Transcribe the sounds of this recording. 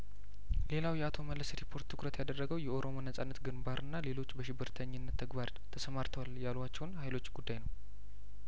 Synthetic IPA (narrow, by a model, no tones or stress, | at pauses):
le̞lawjɛat̪ʰo̞məlːəsɾipʰo̞ɾt̪ʰːɨkɾət̪jad̪ərːəɡəwjɛo̞ɾo̞monəsʼanːət̪ɡɨnbaɾʔɨnːale̞lo̞t͡ʃːbəʃɪbːɨɾt̪ʰəɲːɪnːət̪ʰːəɡbaɾ | t̪ʰəsəmaɾt̪ʰəwaljalwat͡ʃːɛwnhajlo̞t͡ʃːɡud̪ːajnəw